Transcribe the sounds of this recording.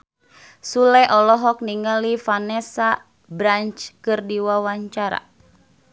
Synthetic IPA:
sulɛʔɔlɔɦɔk̚niŋalifanɛsa | bɾant͡ʃkɨrdiwawaɲt͡ʃaɾa̰

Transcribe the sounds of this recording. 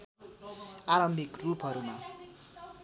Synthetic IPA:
aɾʌmbʱikrupɦʌɾuma

